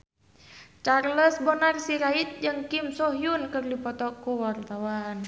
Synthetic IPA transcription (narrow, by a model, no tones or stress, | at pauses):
t͡ʃarləsbɔnarsiɾait̪̚d͡ʒɨŋkimsɔɦjunkɨrdipɔt̪ɔkuwart̪awan